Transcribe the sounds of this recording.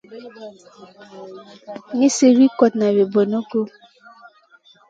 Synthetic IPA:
ni˦se˦ɾi˦kɔ˨tna˨we˨bo˨no˦ko˦

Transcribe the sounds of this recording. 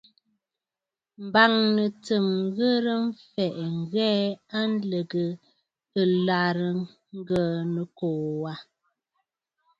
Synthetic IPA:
m̩˨ba˨ŋnə˨t͡sə˨mɣə˦ɾə˦ɱ̩˦fɛ˨ʔŋ̩˨ɣɛ˦a˦n˦lə˨ɡə˨ | ə˨la˨ɾə˨ | ŋ̩˦ɡə˦˨nə˨koː˨wa˦

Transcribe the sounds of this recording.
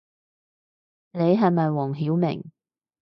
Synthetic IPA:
ne˨˧jɦɐ˨jmɐ˨jwɔː˨˩ŋɦiː˨˥wmɪ̰˨˩ŋ

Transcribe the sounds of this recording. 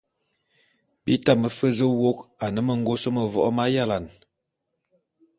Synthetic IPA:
bḭ˦ta˦mə˨fə˦zə˦wo˦ka˨nə˦mə˨ŋ˦ɡo˦sə˦mə˨vɔ̰˨ʔɔ˦ma˦ja˦la˨n

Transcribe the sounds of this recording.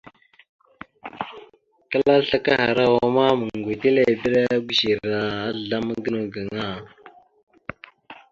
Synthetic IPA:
kə˦la˦ɬa˦ka˦ha˨ɾa˦wa˨ma˦mə˨ŋ˨ɡʷi˨te˦le˦˨bə˦ɾa˦ɡʷu˦ʃi˨ɾa˨a˦˨ɮa˦mə˦ɡə˦nu˨ɡa˨ŋa˦˨

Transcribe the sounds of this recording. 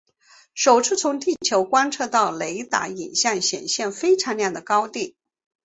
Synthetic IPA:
ʂo˨˩ʊt͡sʰɹ̩˥˧t͡sʰʊ˧˥ŋt̪i˥˩t͡ɕʰjo˧˥ʊkwa˥nʈ͡ʂʰɤ˥˧t̪ɑ˥˩ʊle˧˥ɪt̪a̰˧˥i˨˩nɕjɑ˥˩ŋɕjɛ̰˨˩nɕjɛ˥˩nfe˥ɪʈ͡ʂʰɑ˧˥ŋljɑ˥˩ŋd̪ə˩kɑ˥ʊt̪i˥˩

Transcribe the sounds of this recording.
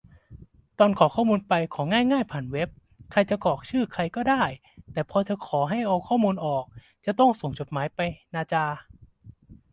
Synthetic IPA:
t̪ɔː˧nkʰɔː˩˦kʰɔː˥˩muː˧npa˧jkʰɔː˩˦ŋaː˥˩jŋaː˥˩jpʰaː˨˩nwe˦˥p̚ | kʰa˧jt͡ɕa˨˩kɔː˨˩k̚t͡ɕʰɯː˥˩kʰa˧jkɔː˥˩daː˥˩j | t̪ɛː˨˩pʰɔː˧t͡ɕa˨˩kʰɔː˩˦ɦa˥˩jʔa˧wkʰɔː˥˩muː˧nʔɔː˨˩k̚ | t͡ɕa˨˩t̪ɔ˥˩ŋso˨˩ŋt͡ɕo˨˩t̪̚maː˩˦jpa˧jnaː˧t͡ɕaː˧

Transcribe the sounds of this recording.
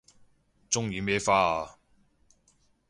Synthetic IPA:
t͡sʊ˥ŋjiː˨˧mɛː˥faː˥

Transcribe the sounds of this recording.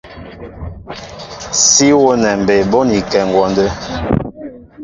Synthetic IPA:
si˦wo˦nɛ˨m˨be˨bɔ˦ni˨kɛ˨ŋ˨ɡwɔ˨ndə˦

